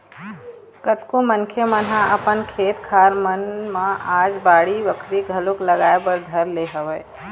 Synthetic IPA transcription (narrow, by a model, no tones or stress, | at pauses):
kət̪komənkʰemənɦãɐpənkʰeːt̪kʰaːɾmənmãʔaːd͡ʒbaːɽiʋəkʰɾiɡʱɐlʊklɐɡaːebəɾd̪ʱɐɾleɦəʋeː